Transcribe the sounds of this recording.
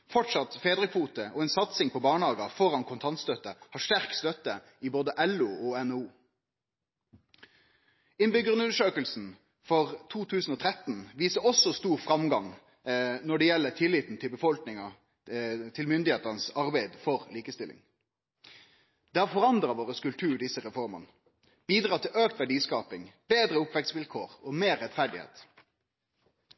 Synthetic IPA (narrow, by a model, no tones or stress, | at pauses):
fɔʈʂɑt̪feːd̪ʁɪkfuːt̪əʔɔɛnsɑt̪sɪŋpʰɔbɑːɳəhɑːɡɑfɔɾɑnkʰʊnt̪ʰɑnt̪st̪œt̪ːəhɑʂt̪æɾkst̪œt̪ːə | ɪboːd̪əʔɛluːɔɛnuː | ɪnbʏɡʁənʉnəʂøːkəlsn̩ | fɔʁt̪ʰuːt̪ʰʉːsn̩oːt̪ʰʁɛt̪n̩ʋiːsəɾɔsɔst̪uːɾfʁɑmɡɑŋ | nɔɖɛjɛlːət̪ʰɪlːɪt̪n̩t̪ʰɪlbəfɔlknɪŋɑ | t̪ʰɪlmʏnd̪ɪheːt̪əʁnəsɑʁbæɪd̪fɔʁliːkəst̪ɪlʔɪ̰ŋ | d̪̥ɛːhɑʁfɔʁɑnd̪ʁɑʋoːʁəskʉlpt̪ʰʉːɖɪsəʁɛfɔʁmɑ̰nə | b̥iːd̪ʁɑːt̪ʰɪløːk̚t̪ʋæɖiːskɑːpɪŋb̥eːd̪ʁəʊpʋɛk̚t̪sʋɪlkʰoːʁoːmeːʁːɛt̪fæɖɪhḛːt̪